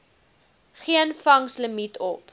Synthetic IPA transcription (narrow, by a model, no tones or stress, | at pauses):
χiənfɐŋsləmitʰɔp